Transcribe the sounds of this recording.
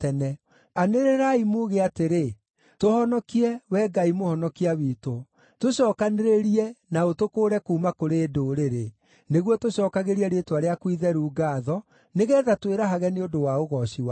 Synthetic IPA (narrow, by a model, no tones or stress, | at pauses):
tɛnɛ | aneɾeɾaimuɣeateɾe | tohɔnɔkiɛwɛɡaimohɔnɔkiawiːto | toɕɔːkaneɾeɾiɛnaotokoːɾɛkuːmakoɾeːdoɾeɾe | neɣwɔtoɕɔːkaɣeɾiɛɾetwaɾeakwiðɛɾuːɡaːðɔ | neɣɛːðatweɾaɦaɣɛneodowaoɣɔɕiwa